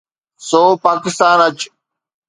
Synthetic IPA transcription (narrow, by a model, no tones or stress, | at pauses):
soːpaːkɪst̪aːnɐt͡ɕ